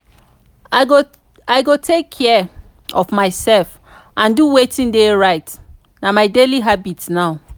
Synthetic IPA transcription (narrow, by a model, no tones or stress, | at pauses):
o | aɪɡotʰekʰːɛ | ɔfmaɪsɛlf | ʔãnduwetĩndeɹaɪt | namaɪdeliɦabitnaʊ